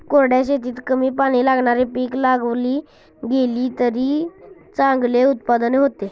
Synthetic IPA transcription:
koɾɽjaɕet̪iːt̪kəmiːpaɽ̃ilaɡɳ̃aɾepiːklaɡʋliː | ɡeliːt̪əɾiːt͡sãŋɡleut̪̚pad̪neɦot̪e

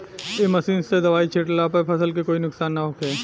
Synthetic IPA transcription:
emɐsiːnsed̪ɐʋaːit͡ʃʰeːʈlapɐɾpʰɐsəlkekoːinʊksaːnːɐɦoːkeː

